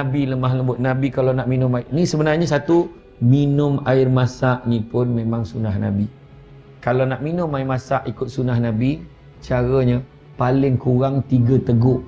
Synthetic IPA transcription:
nabiləmaɦləmbʊt̪̚nabikalanaʔminʊmanĩsəbənarɲəsat̪u | minʊmaɪrmasaʔnipʊnmẽmaŋsunahna̰bi | kalawnaʔminʊmaɪmasaʔikʊt̪̚sunahnabi | t͡ʃaɾəɲə | palɪŋkuɾaŋt̪iɡət̪əɡʊʔ

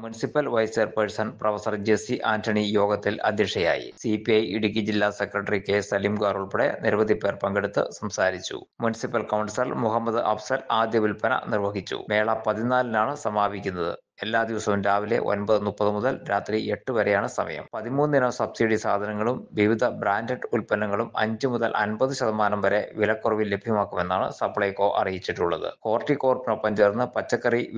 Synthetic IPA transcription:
munisipːɐlʋɐjserpɐɾsɐnɖprɐʋɐsɐrd͡ʑesiʔaːntʰɐɳijo̞ːɡɐt̪ːilɐ̰d̪ʱjɐkʂɐja̰ːjḭsipiɐjiɽuk̬ʲːid͡ʑilːasekrɐʈːɐrike̞ːsːɐlimɡaːruɭpiɽḛniɾʋɐd̪ʱipːe̞ːrpɐŋɡeɽut̪ːɨ̰sɐmsaːɾit͡ɕːṵ | munisipːɐlkɐwɳɖsɐlmuɦɐmːɐðɨʔɐfsɐlaːd̪jɐʋilpɐnɐ̰nirʋɐɦit͡ɕːṵme̞ːɭɐpɐðinaːlnaːɳɨsɐmaːbʱikʲːunːɐðɨ̰ | e̞lːaːd̪iʋɐsɐʋumdaːʋile̞̰ʔo̰nbɐðɨnːupːɐðɨmuðɐlɾaːt̪rie̞ʈːɨʋɐɾejaːɳɨsɐmɐ̰jɐ̰mpɐðimuːnːinɐmsɐbsiɽisaːd̪ʱɐnɐŋːɐɭumʋiʋid̪ʱɐbɾaːndeʈːɨulpɐnɐŋːɐɭumɐ̰ɲd͡ʑɨmuðɐlʔɐ̰nbɐðɨɕɐðɐmaːnɐmʋɐɾe̞ʋilɐkːurɐʋilːe̞bʱjɐmaːkːume̞nːaːɳɨ̰sɐpːɭɐjkːo̞ːʔɐ̰rijit͡ɕːiʈːuɭːɐ̰ðɨ̰ko̞ːrʈːiko̞ːrpɐnɐpːɐɲd͡ʑeːrnːɨpɐt͡ɕːɐkːɐri

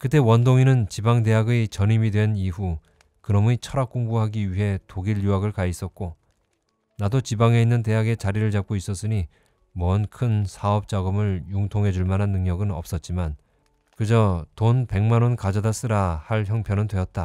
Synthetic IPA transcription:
kɯt͈e̞wʌndoŋinɯnt͡ɕibaŋde̞ɦaɡet͡ɕʌnimidwe̞niɸu | kɯɾʌmuɲit͡ɕʰʌɾak͈oŋbuɦaɡiɥiɦe̞toɡiʎjuaɡɯɭkais͈ʌt̚k͈o | nadot͡ɕibaŋe̞inːɯnte̞ɦaɡe̞t͡ɕaɾiɾɯɭt͡ɕap̚k͈ois͈ʌs͈ɯɲi | mʌnkʰɯnsʰaʌp̚t͡ɕ͈aɡɯmɯɭjuŋtʰoŋɦe̞d͡ʑuɭmanɦanːɯŋɲʌɡɯnʌ̰p̚s͈ʌt̚t͡ɕ͈iman | kɯd͡ʑʌtonpe̞ŋmanonkad͡ʑʌdas͈ɯɾahaɭçjʌŋpʰjʌnɯndwe̞ʌt̚t͈a

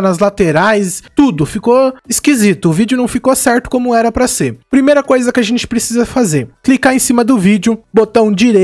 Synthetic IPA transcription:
nɐzlat̪eɾajst̪ud̪ʊfikoɪskizit̪ʊːvid͡ʒɪʊnɐ̃w̃fikosɛɾt̪ʊ̥kõmʊɛɾɐpɾɐseɾpɾimejɾɐkojzɐkɪaʒẽnt͡ʃɪ̥pɾesizɐfazeɾklikaẽsĩmɐd̪ʊvid͡ʒʊbot̪ɐ̃w̃d͡ʒiɾe

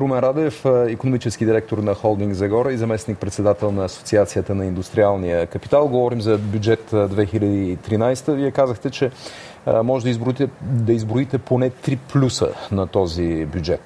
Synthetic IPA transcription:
ɾomɛnɾad̪ɛfikonomit͡ʃɛskid̪iɾɛk̚t̪oɾnɐxɔlˠd̪iŋɡzɐɡɔɾəizɐmɛsnik̚pɾɛt̪sɛd̪at̪ɛlˠnɐːso̥t̪siat̪sijət̪ənɐind̪ust̪ɾialˠnijəkɐpi̥t̪alˠɡovɔɾimzɐbjud͡ʒɛt̪d̪vɛxilʲəd̪iːt̪ɾinajst̪əviɛkazəxt̪ɛt͡ʃɛ | mɔʒɛd̪əizd̪ɐizbɾoit̪ɛponɛt̪ɾiplʲusə̰nɐt̪ɔzibʲjud͡ʒɛt̪

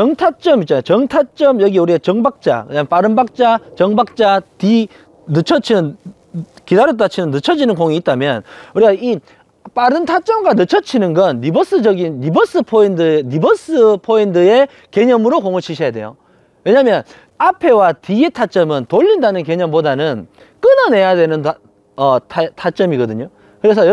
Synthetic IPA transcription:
t͡ɕʌŋtʰat͡ɕ͈ʌmit̚t͡ɕanajot͡ɕʌŋtʰat͡ɕ͈ʌmjʌɡiuɾiet͡ɕʌŋbak̚t͡ɕ͈a̰kɯɲamp͈aɾɯnbak̚t͡ɕ͈at͡ɕʌŋbak̚t͡ɕ͈ati | nɯt͡ɕʰʌt͡ɕʰinɯn | kidaɾjot͈at͡ɕʰinɯnːɯt͡ɕʰʌd͡ʑinɯnkoŋiːt̚t͈amjʌnuɾiɡai | p͈aɾɯntʰat͡ɕ͈ʌmɡanɯt͡ɕʰʌt͡ɕʰinɯnɡʌnːibʌs͈ɯd͡ʑʌɡinːibʌs͈ɯpʰoindɯːibʌs͈ɯpʰoindɯe̞ | ke̞ɲʌmɯɾokoŋʌt͡ɕʰiɕʰʌjadwe̞̰jo̰ | we̞ɲamjʌn | apʰe̞watiɡetʰat͡ɕ͈ʌmɯntoʎːindanɯnke̞ɲʌmpodanɯn | k͈ɯnʌne̞jadwe̞nɯn | ʌtʰtʰat͡ɕ͈ʌmiɡʌdɯɲo | kɯɾe̞s̬ʰʌ

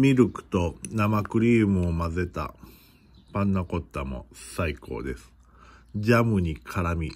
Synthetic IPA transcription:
mʲiɾɯ̟kɯ̟̥t̪o̞namakɯ̟ɾʲiːmɯ̟omaze̞t̪a̰ | pãnːako̞t̪ːamo̰saikʰo̞̰ːd̪e̞sɨ̥ | d͡ʑamɯ̟ɲ̟ikʰaɾamʲi

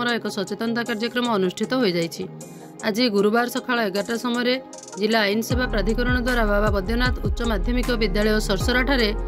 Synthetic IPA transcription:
ɔɾɔekɔsɔt͡ʃet̪ɔnt̪akaɾd͡ʒɔkɾɔmɔːnusʈʰit̪ɔɦojd͡ʒajt͡ʃʰi | ad͡ʒiɡuɾubaɾɔsɔkʰaɭɔeɡaʈasɔmɔjɔɾe | d͡ʒilaːjnɔsebʱapɾad̪ʱikɔɾɔɽ̃ɔd̪waɾabababɔd̪jɔnat̪utːʃɔmad̪ʱjɔmikɔbid̪jaɭɔjɔsɔɾsɔɾaʈʰaɾe

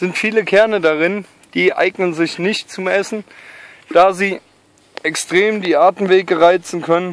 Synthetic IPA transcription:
z̥ɪntfiːləkʰɛɐnədaʁɪn | d̥iːʔa̰ɪɡnənzɪçnɪçtt͡sʊmʔɛsn̩ | d̥aːziː | ʔɛkstʁ̥eːmdiːʔaːɐtn̩veːɡəʁaɪt͡sn̩kʰœnən

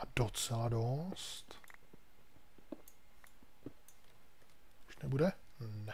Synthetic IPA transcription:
adot͡sɛladost̪ | uʃnɛbudɛ | nɛ

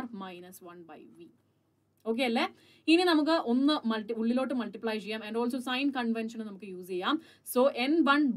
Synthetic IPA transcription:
rmɐjnɐsʋɐnbɐjʋi | o̞ːk̬ːeːɐlːe | ininɐmuk̬ːɨʔo̞nːɨmɐlʈiuɭːilo̞ːʈːɨmɐlʈipɭɐjt͡ɕejɐmɛɳɖoːlsoːsɐjnkɐɳʋenʂɐnnɐmukːɨjuːsejːaːm | soːʔenbɐɳb

